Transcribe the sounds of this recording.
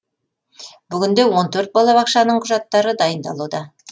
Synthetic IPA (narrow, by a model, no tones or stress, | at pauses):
bʏɡʲɪnd̪ewont̪ʰɵɾt̪̚bɑlˠɑbɑqʃɑnəɴqʰʊʒɑt̪ːɑɾəd̪ɑjənd̪ɑlˠud̪ɑ